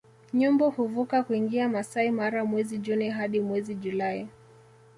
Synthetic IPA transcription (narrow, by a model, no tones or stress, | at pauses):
ɲumbɔhuvukakuiŋɡiamasaimaɾamwɛziʄuniɦaɗimwɛziʄulai